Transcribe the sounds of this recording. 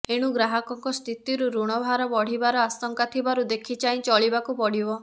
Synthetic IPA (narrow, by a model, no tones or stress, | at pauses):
eɽ̃ũɡɾaɦɔkɔŋkɔst̪ʰit̪iɾuɾuɽ̃ɔbʱaɾɔbɔɽ̤ibaɾɔasɔŋkat̪ʰibaɾud̪ekʰit͡ʃaĩt͡ʃɔɭibakupɔɽ̤ibɔ